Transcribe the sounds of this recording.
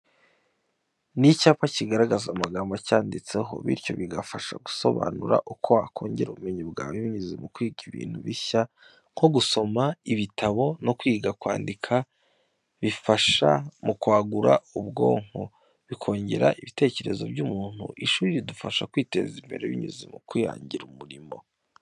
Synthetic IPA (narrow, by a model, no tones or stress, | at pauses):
nicaːpaciɡaɾaɡazaumaɡaːmbacaːndit͡se̞ɦo̞̰βḭɾco̞̰βiɡafaʃaɡu̥so̞̰βa̰nuɾa̰ʔukʰoakʰo̞ːɲɟeɾuβumeɲubɡaːwiβiɲizimukwiːɡiβḭːn̥huβiça | ŋ̥kʰo̞ɡuso̞maiβitʰaβo̞no̞kwiːɡakwaːndikʰa | βifaʃa̰mukwaːɡuɾa̰ubɡo̞̰ːŋ̥ho | βikʰo̞ːɲɟe̞ɾa̰ʔiβite̞ːce̞ɾe̞zo̞̰bɟuːmuːn̥hṵʔiʃuːɾiɾidufaʃakwiːte̞̰ːzimbe̞̰ɾeβḭɲṵzimukwija̰ːɲɟiɾumuɾimo̞̰